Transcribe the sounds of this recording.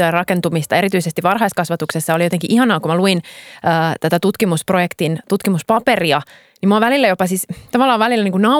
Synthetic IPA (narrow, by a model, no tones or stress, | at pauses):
øɑrɑkent̪umist̪ɑe̞ɾit̪yisest̪iʋʋɑrɦɑiskɑsʋɑt̪uksesːɑolijo̞t̪eŋkiʔihɑnɑːkumæluinəːt̪æt̪æt̪ut̪kimusprojekt̪int̪ut̪kimuspɑperiɑ | nimuɑʋælilːæjopɑsist̪ɑʋɑlːɑːʋʋælilːæniːŋkunɑ